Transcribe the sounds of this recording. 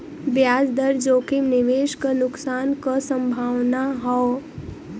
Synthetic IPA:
bjaːd͡ʒd̪əɾd͡ʒoːkɪmnɪʋeːʃkənʊksaːnkasə̃mbʱaːwnaɦɔ

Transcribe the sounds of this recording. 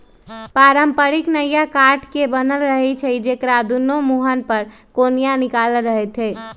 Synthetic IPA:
paɾəmpəɾiknəjakaɾʈʰkebənəlɾəɦɛt͡ʃʰəd͡ʒekɾad̪unomuɦənpəɾ | konijanikaləɾəɦɛt̪ɦɛ

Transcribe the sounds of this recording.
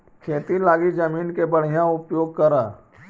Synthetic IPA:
kʰeːt̪ilaːɡid͡ʒɐmiːnkebɐɽ̤ijãʊpjoːɡ̚kɐɾaː

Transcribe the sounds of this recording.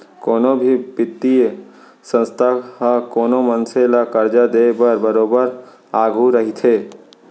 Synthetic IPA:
koːnobʱibɪt̪ːi | sə̃nst̪ʰaãkoːnomənselakəɾd͡ʒad̪ebəɾbəɾoːbəɾ | aːɡʱuɾəɦit̪ʰeː

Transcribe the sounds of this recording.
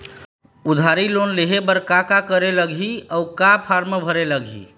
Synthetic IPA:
ud̪ʱaɾilonleɦebəɾkakakəɾeləɡʱiɔukapʰaɾmebʱəɾeləɡʱḭ

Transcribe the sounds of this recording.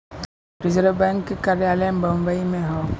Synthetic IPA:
pɾɪzəɾobɛ̃ːŋkːekaːɾjaːlẽbə̃mbəimẽɦɔ̃

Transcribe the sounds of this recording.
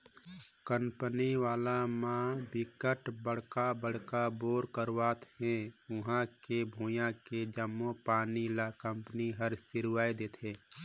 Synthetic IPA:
kə̃mpəniʋaːlamãbɪkəʈbəɽ̤kabəɽ̤kaboːɾkəɾwaːt̪ɦɛ̃ʊɦãkebʱuːjãked͡ʒəmːõpaːnilakə̃mpəniɦəɾsɪɾaːjd̪eːt̪ʰẽː

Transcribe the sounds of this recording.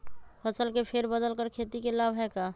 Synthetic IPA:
pʰəsəlkepʰeɾbəd̪əlkəɾkʰeːt̪ikelaːbʱɦɛkaː

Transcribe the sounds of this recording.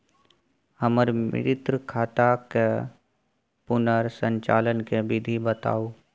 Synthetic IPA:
həməɾmɪ̰ɾɪt̪ɾəkʰaːt̪ake | pʊnəɾsə̃ɲt͡ʃa̰ːlənkebɪd̪ʱibət̪a̰ːoː

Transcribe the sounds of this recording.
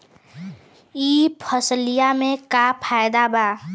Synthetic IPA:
iːpʰəslijamẽkapʰaːjd̪abaː

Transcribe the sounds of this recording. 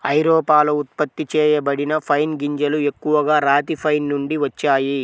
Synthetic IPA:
ɐjɾɔːpaːlɐut̪̚pɐt̪ːit͡ʃɛːjɐbɐɽinɐpʰɐjnɡiɲd͡ʒɐlue̞kːuʋɐɡaːɾaːt̪ipʰɐjnːuɳɖiʋɐt͡ʃːaːji

